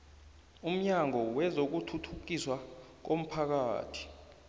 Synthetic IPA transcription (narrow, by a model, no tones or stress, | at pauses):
um̩ɲaŋɔwɛzok̬utʰutʰuk̬iswa | k̬om̩pʰak̬aːtʰi̥